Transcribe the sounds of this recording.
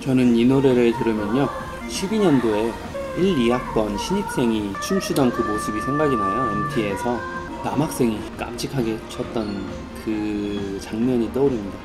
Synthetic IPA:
t͡ɕʌnɯninoɾe̞ɾɯɭtɯɾɯmjʌɲo | ɕʰibiɲʌndo | iɾiɦak̚p͈ʌnɕʰiɲik̚s͈e̞ŋit͡ɕʰumɕʰudaŋkɯmosʰɯbisʰe̞ŋɡaɡinajoentʰie̞sʰʌ | namak̚s͈e̞ŋik͈a̰p̚t͡ɕ͈ʰikʰaɡe̞t͡ɕʰʌt̚t͈ʌn | kɯt͡ɕaŋɲʌɲit͈ʌoɾimɲida

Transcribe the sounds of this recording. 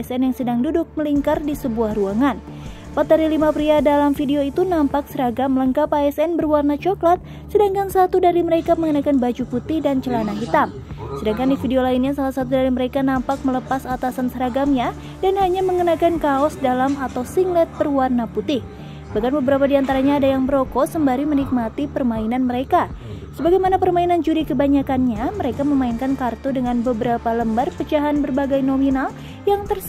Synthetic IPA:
ɛsɛnjaŋsədaŋdudʊk̚məliŋkardisəbuahruaŋan | pat̪əɾilimapɾiadalamfideoit̪unampak̚səɾaɡamələŋkapaɛsɛnbərwarnat͡ʃɔklat̪̚ | sədaŋkansat̪udaɾiməɾekaməŋənakanbad͡ʒuput̪ɪhdant͡ʃəlanaɦit̪am | sədaŋkandifideolainɲasalahsat̪udaɾiməɾekanampak̚mələpasat̪asansəɾaɡamɲa | danhaɲaməŋənakankaɔsdalamat̪awsiŋɡlɛt̪̚bərwarnaput̪ɪh | baɡanbəbəɾapadiant̪aɾaɲaːdajaŋbəɾokɔsəmbaɾimənik̚mat̪ipərmainanməɾeka | səbaɡajmanapərmainand͡ʒuɾikəbaɲakanɲaməɾekaməmainkankart̪udəŋanbəbəɾapaləmbarpət͡ʃaɦanbərbaɡajnominal | jaŋt̪ər

